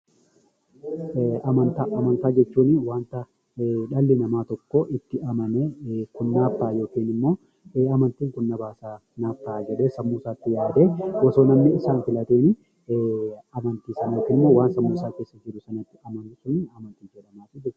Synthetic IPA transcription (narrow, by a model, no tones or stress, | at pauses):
ɐmɐnt̪aʔɐmɐnt̪aːd͡ʒɛt͡ʃːuːnɪwaːnt̪ɐ | ᶑɐlːɪnɐmaːt̪ɔkːɔʔɪt̪ːɪɐmɐneːkʊnːaːpːaːjo̞ːkiːnɪmːo̞ː | ɐmɐnt̪iːŋkʊnːɐbaːsaː | naːpːaːd͡ʒɛᶑeːsɐmːuːsaːt̪ːɪjaːd̪e̞ːwɔso̞ːnɐmnɪɪsaːnfɪlɐt̪eːnɪ | ɐmɐnt̪iːsɐnokiːnɪmːoːwaːnsɐmːuːsaːkeːsːɐd͡ʒɪɾʊsɐnɐt̪ːɪʔɐmɐnuːsʊnɪɐmɐnt̪iːd͡ʒɛᶑɐmaːt̪ɪd͡ʒɛɾ